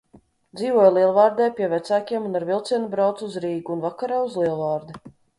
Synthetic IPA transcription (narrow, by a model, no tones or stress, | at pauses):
d̪ziːvuɔjlˠiɛlˠvaːɾd̪ɛjpʲiɛvæt̪saːkʲiɛmunaɾvilˠt̪siɛnubɾawt̪suzɾiːɡuːnvakaɾaːuzlˠiɛlˠvaːɾd̪i